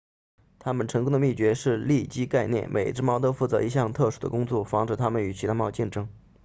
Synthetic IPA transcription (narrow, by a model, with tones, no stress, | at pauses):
t̪ʰa˥mə˨nʈ͡ʂʰɤ˧˥ŋkʊ˥ŋd̪ə˧mi˥˩t͡ɕɥɛ˧˥ʂɻ̩˥˧li˥˩t͡ɕi˥ka˥˧ɪnjɛ̰˥˩nmʔe˨˩ɪʈ͡ʂɻ̩˥˩mɑ˥ʊt̪ɤ˥fu˥˩t͡sɤ˧˥i˧˥ɕjɑ˥˧ŋt̪ʰɤ˥˩ʂu˥˩d̪ə̰˩kʊ˥ŋt͡swɔ˥˩fɑ˧˥ŋʈ͡ʂɻ̩˧˩t̪ʰa˥mə˨ny˨˩t͡ɕʰi˧˥t̪ʰa˥mɑ˥˧ʊt͡ɕi˥˩nʈ͡ʂɤ˥ŋ